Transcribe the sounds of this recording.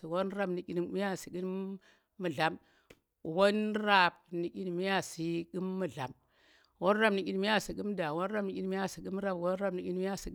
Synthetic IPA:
i˨wo˦nɾa˦bni˨ki˦n˨mi˦ja˦si˨ɡiː˦ | u˨ɮa˨m˨ | wo˦nɾa˦˨p̚ni˨ki˦n˨mi˦ja˦si˨ki˦mːu˨ɮa˨m | wo˦n˦ɾa˦bni˨kʲi˦n˨mi˦a˦si˨ɡi˦m˦da˨wo˦n˦ɾa˦bni˨i˦n˦mi˦ja˦si˨ɡi˦m˦ɾa˦˨bwo˦n˦ɾa˦bni˨ʔʲi˦n˦mi˦ja˦˨si˨

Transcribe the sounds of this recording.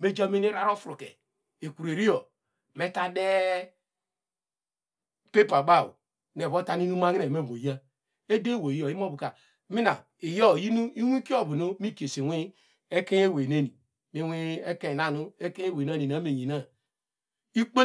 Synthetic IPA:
me˦d͡ʒa˦mi˦ni˦ɾa˦ɾo˦fɾu˨kḛ˨ | e˨ku˨ɾe˨ɾi˦o˨ | me˦ta˦de˦ | pe˦pa˨ba˦˨wṵ˨ | n˨e˨bo˦ta˦ni˦nu˦ma˦ŋi˦ne˨me˦˨mo˨ja˦ | e˦de˦˨wo˨jo˨i˦m˦o˦bu˨ka˨ | mi˦na˨ | i˨jo˦˨ji˦nu˦i˦wi˦ki˦o˦˨bu˨no˦mi˦ke˨se˨wʷi˦ | e˦ke˦e˦˨we˨ne˦ni˨ | mi˦wi˦e˦ke˦˨na˨nu˦e˦ke˦e˦we˨na˦ni˨na˦me˨ɲi˨na˦ | i˦k͡pe˦

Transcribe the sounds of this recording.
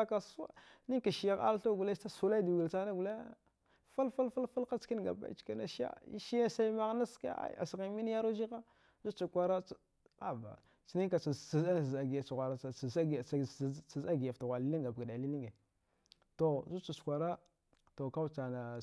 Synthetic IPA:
a˦ka˨sa̰˦ni˦ka˨ʃi˨ja˦ɣa̰˦lɬa˦ɡu˨le˦a˦su˨˦la˦du˨ɡi˨lt͡ʃa˦na˦ɡu˨le˦ | fa˦lfa˦lfa˦lfa˦la˦t͡ski˦nɡa̰˨ba̰˦ḭ˦t͡ʃka˦na˨ʃa̰˦i˦ʃi˦ja˦sa˦i˦ma˦ɣna˦ska̰˦a̰˦a̰˨sɣi˨mi˦n˦ja˦ɾo˦d͡ʒi˦ɣa˦ | zu˦t͡ʃu˨kʷa˦ɾa˦ | a˨ba̰˨ | t͡ʃi˨ni˦ka˨a˨a˨za˦˨za˨ɡi˨ja˨t͡ʃa˨ɣʷa˨ɾa˨za˦˨t͡sa˨za˦ɡi˨ja˨fta˨ɣʷa˨li˦li˦ŋɡa˨bɡa˨da˨li˦li˦ŋɡe˨ | to˨zu˦t͡ʃu˨t͡ʃkʷa˨ɾa˦ | to˨ka˦wt͡ʃa˨na˨

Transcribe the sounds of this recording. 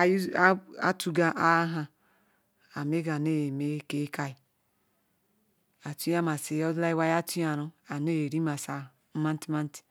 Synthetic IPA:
a̰˦tu˦ɡa˦ʔa˦ɦa˧ | a˨me˦ɡa˨ne˦jme˦ke˦ka˦i˨ | a˨tu˦ja˦ma˨se˨jɔ˦dla˦i˦wa˦ja˦tu˦ja˨ɾo˦a˨ne˦jɾi˦ma˨sa˨˦ | ma˦n˦ti˦ma˦n˦ti̥˨

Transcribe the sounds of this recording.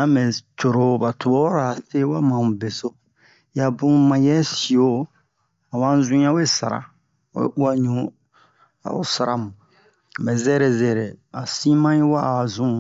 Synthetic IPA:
ã˦mɛ˨t͡ʃo˨ɾo˨ba˨tʰu˨o˦ɾa˨se˦wa˦mã˨mũ˨be˨so˦ | ja˨bũ˦mã˨jɛ˦si˨o˦ | a˨wã˦n˦zũ˦ã˦we˦sa̰˨ɾa̰˨ | wḛ˦u˦a˦ɲũ˨˦ | a̰˨o̰˦sa˨ɾa˦mũ˨ | a˨bɛ˨zɛ˦ɾe˨zɛ˨ɾe˨a˨sĩ˦mã˦ĩ˦wa˦˨zũ˦˨

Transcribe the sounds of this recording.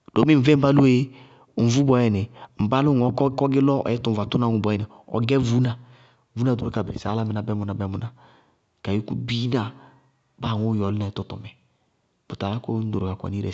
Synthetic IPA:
d̥o˨mi˦m̩˨vɛ˦m̩˦ba˦lu˦e˦e˦˨ | m̩˨vu˦bɔ˨jɛ˨nɪ˨m̩˨ba˦lʊ˦ŋ˨ɔ˨˦kɔ˦kɔ˦ɡɪ˦lɔ˦ɔ̰˨ɛ˦tu˨va˨tu˦na˨ŋu˨bɔ˨˦ɛ˨nɪ˨ɔ̰˨ɡɛ˦vu˨˦na˨ | vu˦na˨do˨ɾo˦ka˨bɛ̰˨sa̰˨˦la˦mɛ˨na˨bɛ˦mu˨na˨bɛ˨˦mu˨na˨ | ka˨ji˦ku˦bi˦na˨ | ba˦˨ŋo˦jɔ˨lɪ˦na˨˦tɔ˦tɔ̰˨mɛ˨ | b̥u˨ta˨la˦kɔ˦n˦do˨ɾka˨kʷa̰˨ni˦ɾɛ̰˨

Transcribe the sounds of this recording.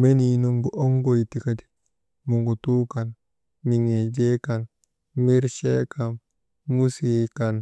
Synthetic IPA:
me˦ninu˨ŋɡuʔo˦ŋɡo˨jti˨ka˦d͡ʒi̥ | mu˨ŋɡu˨tu˦ka˨n | mi˨ŋe˨d͡ʒe˦ka˨n | mi˦ɾʃɛkam | mu˦sikan

